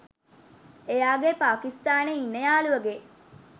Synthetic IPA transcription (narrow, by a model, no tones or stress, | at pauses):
ejaːɡepaːkist̪aːneinːejaːluʋəɡe